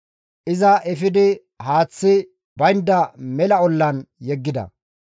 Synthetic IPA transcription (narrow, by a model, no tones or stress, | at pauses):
ʔɪzɐʔɛfɪd̪ɪ | haːt͡sːɪ | bɐjnd̪ɐmɛlɐɔlːɐnjɛɡːɪd̪ɐ̰